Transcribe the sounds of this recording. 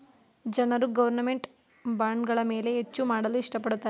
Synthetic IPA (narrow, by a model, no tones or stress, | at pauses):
d͡ʒɐnɐɾuɡɐʋɐɾnɐme̞ɳʈ | baːɳɡɐɭɐmeːle̞ɦet͡ʃːumaːɽɐluiʂʈɐpɐɽut̪ːaː